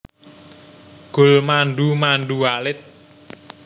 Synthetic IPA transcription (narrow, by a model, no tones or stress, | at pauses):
ɡ̥ʊ̤lmanɖumanɖualɪt̪̚